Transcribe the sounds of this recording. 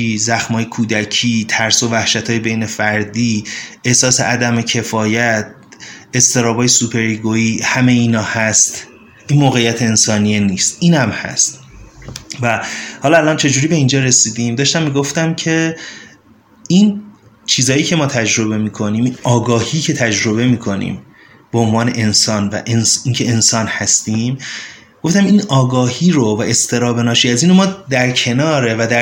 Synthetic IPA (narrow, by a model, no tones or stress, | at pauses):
izæxmɒːje̞kʰuːd̪æcʰiːt̪ʰæɾso̞væhʃæt̪ʰɒːjebe̞jne̞fæɾd̪iːʔehsɒːseʔæd̪æmecʰe̞fɒːjæt̪̚ | e̞st̪ʰe̞ɾɒːbɒːjesupʰe̞ɾiɡoiːhæme̞jiːnɒːhæst̪ | ʔinmoːɣejːæt̪ʰeːnsɒːnijeniːst̪ʔiːnæmhæ̰st̪ | væhɒːlɒælɒːnt͡ʃʰe̞d͡ʒuːɾiːbe̞ind͡ʒɒːɾe̞siːd̪imd̪ɒːʃt̪æmːiːɡo̞ft̪æmcʰe̞ | in | t͡ʃʰiːzɒːjiːcʰe̞mɒːt̪ʰæd͡ʒɾo̞be̞miːkʰo̞niːminɒːɡɒːhiːcʰe̞t̪ʰæd͡ʒɾo̞be̞miːkʰo̞nḭːm | b̥oonvɒːne̞ʔensɒːnvæ̰ʔensiːncʰe̞ensɒːnhæst̪iːm | ɡ̥oft̪æminɒːɡɒːhiːɾovæʔe̞st̪ʰe̞ɾɒːbe̞nɒːʃiːæziːnomɒːd̪æɾcʰe̞nɒːɾe̞væd̪æ